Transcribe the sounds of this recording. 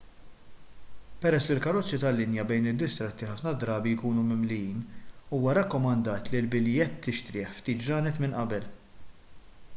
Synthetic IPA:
pɛɾɛsːlɪlkɐɾɔt͡sːit̪ɐlːɪnjɐbɛjnɪd̪ːɪst̪ɾɛt̪ːiħɐfnɐd̪ɾɐːbijkuːnumɪmlɪjiːnuːwɐɾɛkːɔmɐnd̪ɐːt̪lɪlbɪljɛt̪ʰːɪʃt̪ɾɪːħft̪iːt̪d͡ʒɐːnɛt̪mɪnʔɐbɛl

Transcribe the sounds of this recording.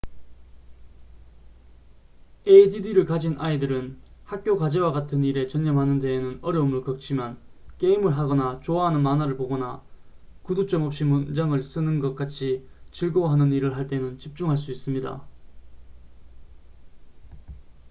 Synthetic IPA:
eididiɾɯɭkad͡ʑinʔaidɯɾɯnhak̚k͈jokad͡ʑewaɡatʰɯniɾe̞t͡ɕʌɲːʌmɦanɯnde̞ːnɯnʌɾjʌumɯɭkʌk̚t͡ɕʰimjʌnk͈e̞imɯɭɦaɡʌnat͡ɕoaɦanɯnmanaɾɯɭpoɡʌna̰ | kudut͡ɕ͈ʌmʌp̚ɕ͈imund͡ʑaŋɯɭs͈ɯnɯnɡʌk͈at͡ɕʰi | t͡ɕiɭɡoɦanɯniɾɯɭɦaɭt͈e̞nɯnt͡ɕip̚t͡ɕ͈uŋɦaɭs̬͈uis͈ɯmɲida̰

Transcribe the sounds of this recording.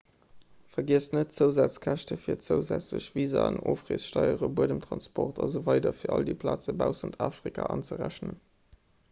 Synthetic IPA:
fɐɡiəsnət̚t͡səʊzaːt͡skʰæʃtəfiːɐt͡səʊzæt͡sləɕv̥iːzanoːfʁeːsʃtɑɪəʁəbuədəmtʁɑnspʰɔʁtʰɑzovɑɪdɐfiːɐʔɑldiəːpʰlaːt͡səbaʊsɑntʰaːfʁ̥ikʰa̰ːʔɑnt͡səʁæɕnən

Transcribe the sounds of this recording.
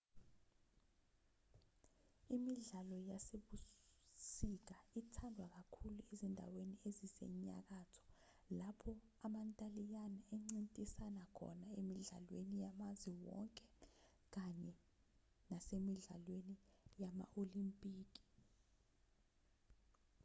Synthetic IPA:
imiɮalɔjaseɓusik̬aitʰandʱwak̬akʰuluezindʱa̰weniezisɛ̰ɲa̰k̬atʰɔ̥ | lapʰɔ | amantʼalijanaɛŋ͡ǀintʼisanakʰɔ̰naemiɮa̰lwenijamaziwɔ̰ŋkʼɛ | k̬aɲɛ | nasemiɮalwenijama̰ʔolimpʼiːk̬i̥

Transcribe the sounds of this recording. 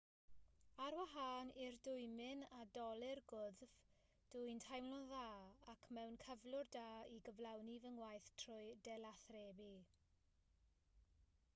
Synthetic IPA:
aɾwaɦaːnirdʊjmɪnadɔlˠɪrɡʊðv̥ | d̥ʊjntʰajmlɔðaːakʰmɛwnkʰəvlˠʊrdaːiɡəvlawnivəŋwajθtʰrʊjdɛlˠaθreːbi

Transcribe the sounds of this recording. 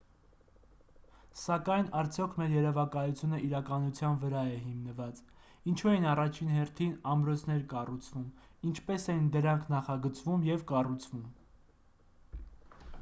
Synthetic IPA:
sɑkɑjnɑɾt͡sʰjɔkʰmɛɾjɛɾɛvɑkɑjut͡sʰjunəʔiɾɑkɑnut͡sʰjɑnvəɾɑɛɦimnəvɑt͡s | int͡ʃʰuɛinɑrɑt͡ʃʰinɦɛɾt̪ʰinɑmɾɔt͡sʰnɛɾkɑrut͡sʰvum | int͡ʃʰpɛsɛnd̪əɾɑŋkʰnɑχɑɡət͡svumjɛvkɑrut͡sʰvum

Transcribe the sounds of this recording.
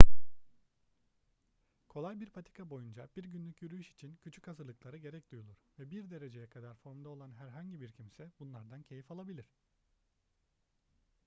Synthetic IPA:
kʰo̞lˠajbiɾpʰat̪ʰi̥kʰabo̞jund͡ʒab̥iɾɟynlʲycjyɾyjyʃi̥t͡ʃʰincʰyt͡ʃʰy̥chazɯɾlˠɯklˠaɾɯɟe̞ɾɛc̚d̪ujulˠuɾ̥vɛbiɾd̪e̞ɾe̞d͡ʒe̞jɛkʰad̪aɾfo̞ɾmd̪ao̞lˠanɦæɾɦaɲɟibiɾcʰimsɛbunlˠaɾd̪ancʰe̞jifalˠabilʲiɾ̥

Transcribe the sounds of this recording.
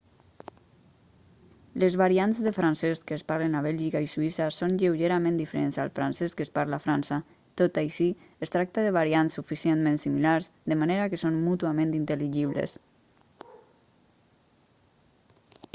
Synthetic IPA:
lezβaɾianzðefɾansɛskəːspaɾlenaβ̞ɛlʲʒikaisuisasonʎewʒeɾamẽnd̪ifeɾenza̰lˠfɾa̰nsɛskəspaɾlafɾansa | t̪ot̪ajʃi | est̪ɾak̚t̪aðəβ̞aɾiansːufisienmẽnsimilaɾzðəmaneɾakəsonmut̪uamẽnt̪int̪əliʒiβ̞lḛs

